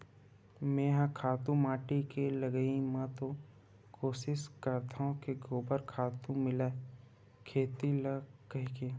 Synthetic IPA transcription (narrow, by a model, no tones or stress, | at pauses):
mẽːɦãkʰaːt̪ũmaːʈikelɐɡəimãt̪o | koːʃɪskəɾt̪aɦõkeɡoːbəɾkʰaːt̪ũmɪlae | kʰeːt̪iləkəɦke